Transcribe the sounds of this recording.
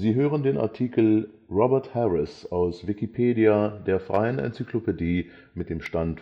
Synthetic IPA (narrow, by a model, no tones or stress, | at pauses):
ziːɦøːʁəndeːna̰ɐtʰiːkl̩ | ʁɔbɛɐthɛʁɪsaʊsv̥ɪkipʰeːdiadeːɐfʁ̥aɪənɛ̰nt͡sikʰlopediː | mɪt̚d̥eːmʃtant